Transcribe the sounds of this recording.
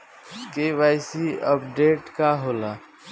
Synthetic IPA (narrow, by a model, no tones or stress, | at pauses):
kebaɪsiəpɖeʈkaɦola